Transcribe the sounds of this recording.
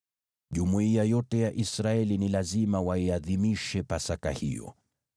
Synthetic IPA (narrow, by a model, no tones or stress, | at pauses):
ʄumuiajɔtɛjaʔisɾaɛlinilazimawaiaðimiʃɛpasaka̰hḭjɔ̰